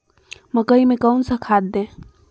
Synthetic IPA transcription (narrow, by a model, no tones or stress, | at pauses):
məkəimẽkəwnsəkʰad̪̚ːẽ